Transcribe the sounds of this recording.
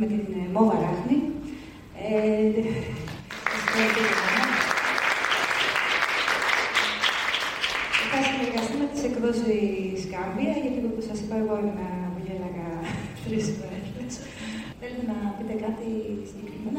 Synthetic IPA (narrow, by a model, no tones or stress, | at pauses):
met̪inmoðɐɾɐxni | e | ɐst̪eɐt̪itɐnɐ | efɐsieɾkɐst̪imet̪i̥sekðosiskɐmbiɐʝɐt̪iopusɐsipɐeɣo̞inenɐpoʎelɐɣɐt̪ɾiskoeles | θelet̪e̞nɐpit̪e̞kɐt̪isiɲɟe̞kɾimeno